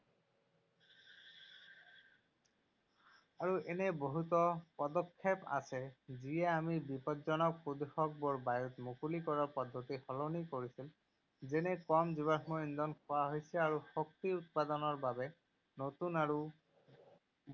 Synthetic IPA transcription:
aɹuʔɛnɛboɦut̪ɔpɔdɔkʰːepa̰sɛziɛamibipɔtzɔnɔk̚pud̪uxɔk̚bɔɹbajut̪mukulikɔɹaɹpɔd̪ʱːot̪ihɔlɔnikoɹisil | zɛnɛkɔmziβamɔind̪ɔnkʰɔwaɦojsɛaɹuxok̚t̪iut̪̚pad̪ɔnɔɹbabɛ | not̪unaɹu

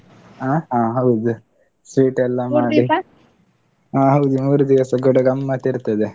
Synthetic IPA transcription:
aːɦãːɦɐwd̪u | sʋiːʈɛlːɐmaːɽi | ɦãːɦɐwd̪umuːɾud̪iʋɐsɐɡɔɽɐɡɐmːɐt̪iɾt̪ɐd̪e

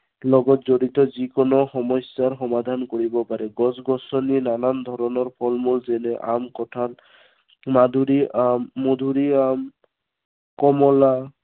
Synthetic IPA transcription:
lɔɡɔtzoɹit̪ɔzikɔnɔxɔmɔsaɹxɔmad̪ʱankoɹibɔpaɹɛɡɔsɡɔsɔninanand̪ʱɔɾɔnɔɹpʰɔlmulzɛnɛʔa̰mkɔtʰan | mad̪ʱuɾiamːod̪ʱuɹiam | kɔmɔla

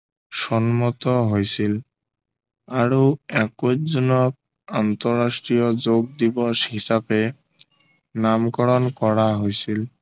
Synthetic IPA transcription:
sɔnmɔt̪ɔɦojsil | aɹuɛkozɔnɔk̚ | ant̪ɔɹastɹijɔzoɡ̚d̪ibɔʃhisapɛ | namkɔɹɔnkɔɹaɦojsil

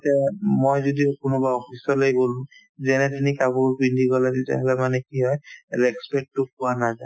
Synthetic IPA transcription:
tɛmojzodiokʊnobaɔpʰisɔlojbolũ | zɛnɛtinikabuɹpindiɡɔlɛzita̰ɦɛlɛmanɛkiɦɔjlɛkspɛʈːuk̚ʊanaza

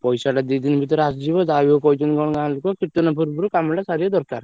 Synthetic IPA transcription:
pɔjsaʈad̪id̪inbʱit̪ɔɾasd͡ʒibɔzawokɔjd͡ʒɔnɡɔɽ̃ɡãlukɔkit̪unapʰuɾbuɾukamlasaɾijɔd̪ɔɾkaɾ

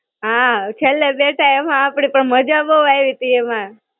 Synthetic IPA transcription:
ɦãt͡ʃʰelːebeʈʰaemãːpɽ̃ipəɳməd͡ʒaboʋaeʋit̪iemã

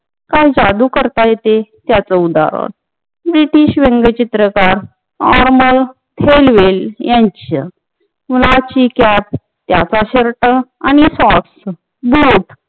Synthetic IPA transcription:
kajd͡ʑad̪uːkəɾt̪ajet̪et̪jat͡səud̪a̰ɾə̰ɾ | bɾiʈiɕʋeŋɡət͡ɕit̪ɾəkaɾ | nɔɾməɭ | t̪ʰelʋeljãɲt͡ɕə | mlat͡ɕikæp̚ | t̪jat͡saɕəɾʈəañisɔks | buːʈ

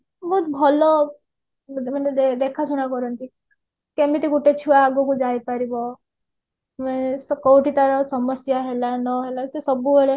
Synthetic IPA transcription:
bɔɦut̪bʱɔlɔ | maned̪ed̪ekʰasuɽ̃akɔɾɔnt̪i | kemit̪iɡuʈet͡ʃʰuaːɡɔkud͡ʒajpaɾibɔ | manesɔkɔwʈit̪aɾɔsɔmɔsjaɦelanɔɦelasesɔbubeɭe

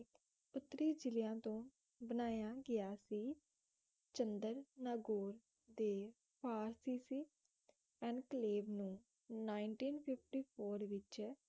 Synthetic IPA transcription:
ʊt̪ːəɾiːd͡ʒɪlɪjãːt̪õː | bənaːjaːɡɪjaːsiː | t͡ʃənd̪əɾnaːɡoːɾ | d̪eː | pʰaːɾsiːsiː | ɛ̃ːɳɖkəleːbnũː | naːɪɳʈiːnpʰɪpʰʈiːpʰoːɾʋɪt͡ʃ

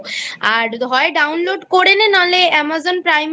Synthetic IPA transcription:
aɾd̪ʱɔeɖawnloɖkoɾenenaleɛmazonpɾajm

